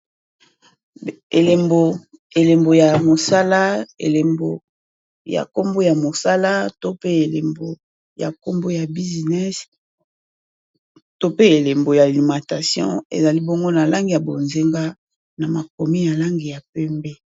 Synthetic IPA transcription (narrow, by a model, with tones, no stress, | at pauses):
e˨le˨mbo˨ | e˨le˨mbo˨ja˨mo˨sa˦la˦ḛ˨le˨mbo˨ | ja̰˨ko˦mbo˦ja˨mo˨sa˦la˦to˦pe˦e˨le˨mbo˨ | ja̰˨ko˦mbo˦ja˨bi˦zi˨nɛ˦s | to˦pe˦e˨le˨mbo˨ja˨li˨mã˨ta˨sjɔ̰̃˦ḛ˨za˨li˦bo˦ŋɡo˦na˨la˦ŋɡi˨ja˨bo˨nze˦ŋɡa˦ | na˨ma˨ko˨mi˦ja˨la˦ŋɡi˨ja˨pɛ˦mbɛ˦